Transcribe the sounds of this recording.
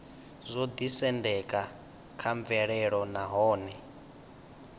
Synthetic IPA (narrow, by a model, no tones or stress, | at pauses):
zʷod̪isɛndɛkʼa | kʰaɱvɛɺɛɺɔnaɦɔːnɛ